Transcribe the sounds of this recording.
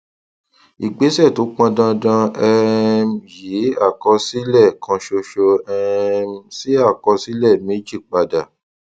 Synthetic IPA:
i˨ɡ͡be˨˦sɛ˦˨to˨˦k͡pã˧dã˧dã˧ɛ˧mji˨˦a˦˨kɔ˧si˦lɛ˦˨kʰã˧ʃo˧ʃo˧ɛ˧msi˦a˦˨kɔ˧si˦lɛ˦˨me˦d͡ʒi˦˨k͡pa˧da˨

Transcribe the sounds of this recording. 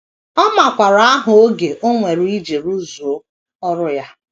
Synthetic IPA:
ɔ˦ma˨kʷa˨ɾa˨˦a˦ɦʊ˨o˦ɡe˨ʔo˦ŋʷe˨ɾu˦i˦d͡ʒe˨ɾu˦zu˨o˦ | ɔ˦ɾʊ˦ja˦

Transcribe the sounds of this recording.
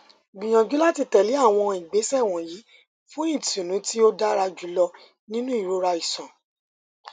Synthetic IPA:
ɡ͡bĩ˨j̃ã˨d͡ʒu˨˦la˦ti˧˨tɛ˨li˨˦a˦˨w̃ɔ̃˧i˨ɡ͡be˨˦sɛ˦˨w̃ɔ̃˨jiː˨˦ | fũ˦ĩ˦˨tũ˨nũ˨˦ti˦o˦da˦ɾa˧d͡ʒu˨˦lɔ˧ | nĩ˦nũ˦i˦˨ɾo˦ɾa˧i˨sã˨

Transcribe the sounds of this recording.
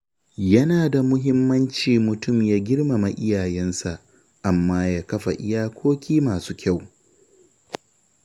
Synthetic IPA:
jɐ˦naː˨da˨mʊ˦ɦɪ˦mːɐ˦nt͡ʃiː˨mʊ˨tʊ˦˨mjaː˦ɡʲɪ˦ɽma˨ma˨ʔɪ˦jaː˨jɛ˦nsa˨ʔ | ʔa˨mːaː˦jaː˦kɐ˦ɸa˨ʔɪ̰˦jaː˦kʷʰoː˦kʲiː˦maː˨suː˦kʲa˦˨w

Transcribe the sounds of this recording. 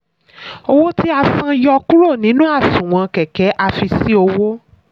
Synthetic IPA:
o˧wo˦ti˦a˧sã˧jɔ˧ku˦ɾo˦˨nĩ˨˦nũ˦a˦˨sũ˨w̃ã˧kɛ˨kɛ˨˦ʔa˧fi˧si˦o˧wo˦

